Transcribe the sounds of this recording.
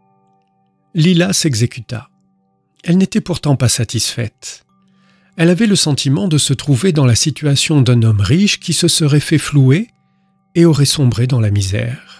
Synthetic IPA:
lilasɛɡzekʲyt̪a̰ | ɛlnet̪ɛpuʁt̪ɑ̃pasat̪isfɛt̪ | ɛlavɛləsɑ̃t̪ʰimɑ̃d̪əsət̪χuved̪ɑ̃lasit̪ɥasjɔ̃d̪ɛ̃nɔmʁiʃkʲisəsəʁɛfɛflue | eɔʁɛsɔ̃bʁed̪ɑ̃lamizɛ̰ːʁ

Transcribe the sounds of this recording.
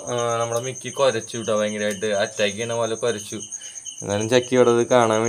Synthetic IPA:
nɐmːuɽemikːikoɾɐt͡ɕːuʋiʈːɐʋɐeŋɡilaːjiʈːɨɐtːaːk̬ːiɐnɐmɐlɐkoɾɐt͡ɕːṵŋːaːnumt͡ɕɐkːiiɽɐðɨkaːɳaːʋi

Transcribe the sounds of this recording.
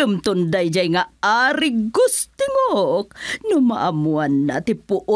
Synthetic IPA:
umt̪undajd͡ʒaiŋaaɾiɡust̪iŋok̚numaʔamuanːa̰t̪ipuʔu

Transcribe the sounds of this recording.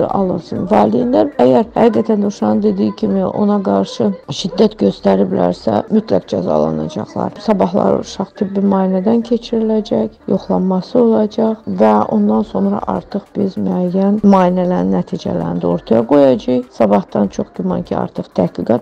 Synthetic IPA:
ɑ̰lˠɯnsɯnvɑːlijinlæɾæjæɾhæɡiɡæt̪ʰænd̪oʃɑnɯnd̪e̞d̪iːicʰimiʔo̞̰nɑɡɑɾʃɯʃid̪ːæt̪ɟø̞st̪æɾiblæ̰ɾsæ̰myt̪ʰlæ̰ɡd͡ʒæ̰zɑ̰lˠɑ̰nɑ̰d͡ʒɑ̰χlˠɑ̰ɾsɑbɑɦlˠɑ̰ɾṵʃɑχt̪ʰibbimɑːjinæd̪æncʰe̞t͡ʃʰiɾilæd͡ʒæçjo̞χlˠɑmmɑsɯo̞lˠɑd͡ʒɑχvæo̞nd̪ɑnso̞nɾɑ̰ʔɑ̰ɾt̪ʰɯχb̥izmæjːænmɑːinælæɾinːæt̪ʰiːd͡ʒæ̰læ̰ɾind̪æoɾt̪ʰɑjɑɡo̞jɑd͡ʒɑjsɑbɑht̪ɑnt͡ʃʰo̞χɟymɑ̰ncʰiɑ̰ɾt̪ʰɯχt̪ʰæhɡiɡɑt̪

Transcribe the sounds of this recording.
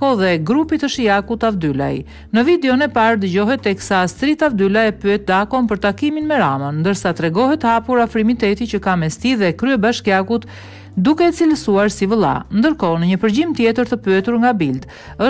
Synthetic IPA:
ɔðɛɡɾupit̪əʃijakut̪avd̪yla̰j | nəvid̪ɛɔnɛpaɾd̪əd͡ʑɔɦɛt̪ːɛksast̪ɾit̪avd̪ylajɛpyɛt̪̚d̪akɔnpəɾt̪akiminmɛɾamənnd̪əɾsat̪ɾɛɡɔɦɛt̪hapuɾafɾimit̪ɛt̪it͡ɕəkamɛst̪iðɛkɾyɛbaʃkjakut̪ | d̪ukɛt͡silsuaɾsivəlˠa̰nd̪əɾkɔnəɲəpəɾd͡ʑimt̪jɛt̪əɾt̪əpyɛt̪uɾŋɡabild̪ | ə

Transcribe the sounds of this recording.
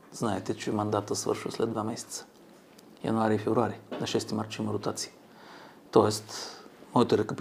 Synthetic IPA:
z̥naɛt̪ɛt͡ʃɛmɐnd̪at̪əsvɤ̰ɾʃvə̰slɛd̪vamɛsɛ̥t̪sə̥ | jɐ̰naɾifɛvɾuaɾinɐʃɛst̪imaɾt͡ʃiməɾʊt̪at̪siə | t̪ɔɛst̪mɔjət̪oɾɛkəp

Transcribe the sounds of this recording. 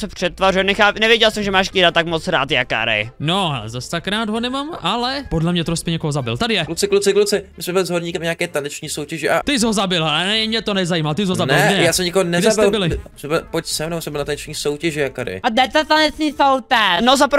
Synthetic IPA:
sɛpr̥ɛt̪ːvarujɛnɛxaːpnɛvjɛɟɛlsɛmʒɛmaːʃkiɾat̪akmot͡sɾa̰ːt̪jaka̰ːɾɛ̰jnoa̰zast̪akɾaːd̪ɦonɛmamʔalɛpodlɛmɲɛt̪ɾos̚pɪɲɛkoɦozabɪ̰lt̪adɪjɛklut͡sɪklut͡sɪklut͡sɪmɪsmɛbɪlɪzɦoɾɲiːkɛmɲeakɛːt̪anɛt͡ʃɲiːsowcɛʒɛʔat̪ɪzɦozabɪlanɛmɲɛt̪onɛzajiːmat̪ɪzɦozabnɪlɛɡdɛɲɛjaːsɛmɲɪkoɦonɛɡdɛasbɪɪlbɪlɪsɛbɪlpocsɛmnɛbosɛmbɪlnat̪anɛt͡ʃɲiːsowcɛʒɛjakaɾɪ̰ad̪ɛt̪ɛt̪anɛt̪iθowt̪ɛnozapɾ

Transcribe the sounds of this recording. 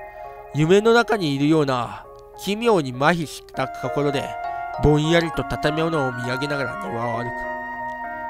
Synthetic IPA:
jɯ̟me̞no̞nakaɲ̟iːɾɯ̟jo̞ːna | kʲimʲo̞ːɲ̟imaçiɕi̥t̪akʰako̞ɾo̞d̪e̞̰bõ̞ɰ̃jaɾʲit̪o̞t̪at̪ame̞o̞noomʲiaɡe̞naɡaɾa̰d̪eβaβaɾɯ̟kɯ̥

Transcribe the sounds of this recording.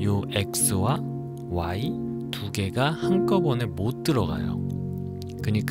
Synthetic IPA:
joe̞k̚s͈ɯwa | wai | tuɡe̞ɡahank͈ʌbʌnemot͈ɯɾʌɡa̰jo̰ | kɯɲik͈

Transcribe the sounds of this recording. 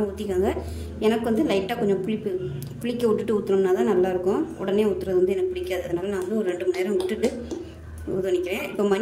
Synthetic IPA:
ʊt̪ːɪkːaːŋɡɐ | ɛnɐkːɯʋɐnd̪ɯlɐɪʈːaːkɔɲd͡ʒɐ̃pʊɭɪpːɯ | pʊɭɪkːɐʊʈːɯʈːɯʊt̪ːɯɾɯmnaːt̪ãːnɐlːaːɪɾɯkːʊ̃ʊ̰ɽɐneːʊt̪ːɯɾɐðɯʋɐnd̪ɯɛnɐkːɯpʊɽɪkːaːɐðɯɐðɯnaːlɐnãːʋɐnd̪ɯɔɾɯɾɛɳɖɯmʊneːɾɐ̃mʊʈːɯʈːɯ | ṵðɯʋɐnɪkːɪɾẽːɪpːoːmɐn

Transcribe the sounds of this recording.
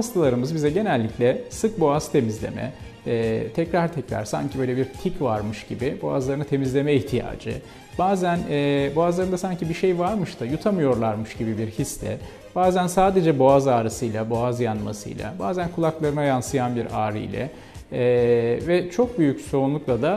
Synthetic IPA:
hast̪ʰalˠaɾɯmɯzbizɛɟe̞nælʲːiclʲɛsɯk̚bo̞azt̪ʰe̞mizlʲe̞̰mɛ̰ː | t̪ʰɛcɾaɾt̪ʰɛcɾa̰ɾ̥sa̰ɲcʰibø̞jlʲebiɾt̪ʰicvaɾmɯʃɟ̥ibibo̞a̰zlˠaɾɯnɯt̪ʰe̞mizlʲe̞mɛiçt̪ʰija̰ːd͡ʒɯ̰ | b̥aːzænɛːbo̞azlˠaɾɯnd̪asaɲcibiɾʃejvaɾmɯʃt̪ʰɯjut̪ʰamɯjo̞ɾlˠaɾmɯʃɟibibiɾhislʲɛ | b̥aːzænsaːd̪e̞d͡ʒɛbo̞azaːɾɯsɯjlˠabo̞azjanma̰sɯ̰jlˠa̰baːzænkʰulˠaklˠaɾɯnajansɯjanbiɾaːɾɯ̰jlʲɛ̰ː | vɛt͡ʃʰo̞k̚byjycso̞ɾunlˠuklˠad̪a

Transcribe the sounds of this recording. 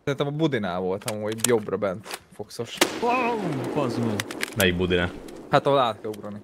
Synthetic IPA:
sɛɾint̪ɛmɒbud̪ina̰ːvo̞lt̪ɒmuːɟjo̞brɒbɛnt̪foksoʃowkɒzmɛnɛjiɡ̚bud̪inahat̪ɒɦolaːt̪̚kɛluɡɾɔlni

